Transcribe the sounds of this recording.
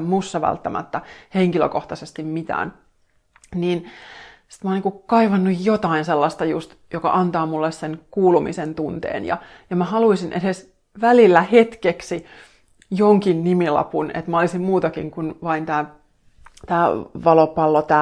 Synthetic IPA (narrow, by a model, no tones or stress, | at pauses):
musːɑʋæ̰lt̪ːæmʔæ̰t̪ːæheŋkilø̰koht̪ɑsest̪immit̪æ̰ːn | niːnsi̥t̪moːˑlniːŋkukɑiʋɑnːujjot̪ɑinselːɑst̪ɑjust̪jokɑ̰ʔɑnt̪ɑːmulːessenkuːlumḭsent̪unt̪ḛːnjɑ̰ | jɑmæhɑluisinʔedes | ʋælilːæhet̪keksi | joŋkinnimilɑ̰punḛt̪mæolisimmuːt̪ɑkḭŋkunʋɑint̪æː | t̪æːʋɑlopɑlːot̪æː